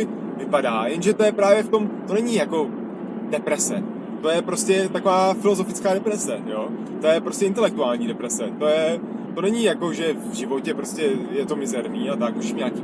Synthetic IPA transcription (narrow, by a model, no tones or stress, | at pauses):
vɪpadaːjɛnʒɛt̪o̞jɛpɾaːvjɛft̪o̞mt̪o̞nɛɲɪjako̞ | dɛpɾɛsɛ | t̪ojɛpɾo̞scɛt̪ako̞vaːfɪlo̞zo̞fɪt͡skaːdɛpɾɛsɛjo̞ː | t̪o̞jɛpɾo̞scʲɛʔɪnt̪ɛlɛk̚t̪uaːlɲiːdɛpɾɛsɛt̪o̞jɛ | t̪o̞nɛɲɪjako̞ʒɛvʒɪvo̞cɛpɾo̞scɛjɛt̪o̞mɪzɛɾniːat̪ak̚oʒɪmɲaːki